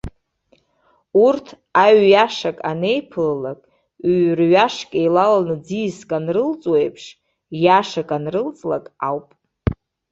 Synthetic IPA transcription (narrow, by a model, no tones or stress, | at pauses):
urtʰ | aɥjaʂakʼane̞jpʰɨllakʼ | ɥrɥaʂkʲʼejlalanɨd͡zijskʼanrɨlt͡sʼwejpʰʂ | jaʂakʼanrɨlt͡sʼlakʼawpʼ